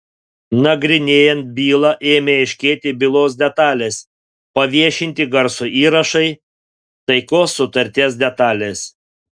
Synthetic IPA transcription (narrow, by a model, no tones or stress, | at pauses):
nɐɡɾʲɪnʲeːjɛnt̪̚bʲiːlˠɑʔeːmʲeɪʃʲkʲeːt̪ʲɪbʲɪlˠoːs̬d̪ʲɛt̪ɑːlʲeːs | pɐʋʲiɛʃʲɪnʲt̪ʲɪɡɐɾsʊʔiːɾɐʃɐɪ | t̪ɐɪkoːsːʊt̪ɐɾʲt̪ʲeːs̬d̪ʲɛt̪ɑːlʲeːs